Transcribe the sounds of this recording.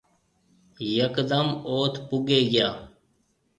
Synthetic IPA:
jəkd̪əmoːt̪ʰpʊɡeːɡɪjaː

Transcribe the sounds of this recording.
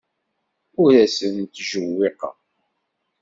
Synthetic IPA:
ʊɾæsənt̪ʒəwːɪqɑ̰

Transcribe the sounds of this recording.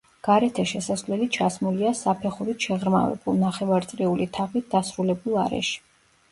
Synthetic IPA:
ɡ̥aɾɛt̪ʰɛʃɛsasvlɛlit͡ʃʰasmuliasapʰɛχuɾit̪ʰʃɛʁɾma̰vɛ̰bulˠnaχɛvaɾt̪sʼɾɛulit̪ʰaʁit̪̚ʰd̪asɾulɛbulˠa̰ɾɛ̰ʃi̥

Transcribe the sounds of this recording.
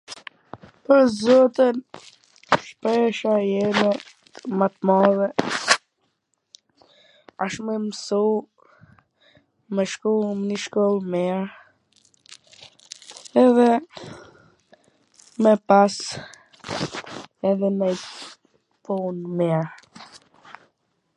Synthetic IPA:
pəɾzɔt̪ən | ʃpɛʃajɛmɛ | əmat̪mɔvɛ | aʃmɛməsu | mɛʃkumniʃkɔlˠmɛɾ | ɛðɛ | mɛpas | ɛðɛnɛj | punmɛɾ

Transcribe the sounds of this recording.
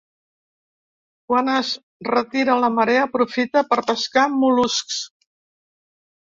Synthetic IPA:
kwanəz | rət̪iɾələməɾeəpɾufit̪əpəɾpəskamulusks

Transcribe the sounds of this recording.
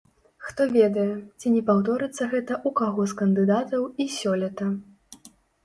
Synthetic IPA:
xt̪ɔvʲɛd̪ɐjɛt͡sʲinʲɛpawd̪ɔɾɨt̪sːɐɣɛt̪ɐʔukaɣɔskɐnd̪ɨd̪at̪ɐwisʲɔlʲɛt̪ɐ

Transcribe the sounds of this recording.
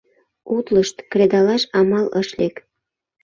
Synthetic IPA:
ut̪ləʃt̪kɾed̪ɑlɑʃɑmɑlɤ̰ʃlek

